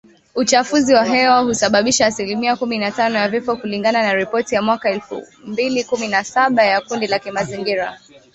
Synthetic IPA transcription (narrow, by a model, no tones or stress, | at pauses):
ut͡ʃafuziwaɦɛwahusaɓaɓiʃaːsilimiakuminatanɔjavifɔkuliŋɡananaɾipɔtijamwakaɛlfṵ | mbilikuminasaɓajakundilakimaziŋɡiɾa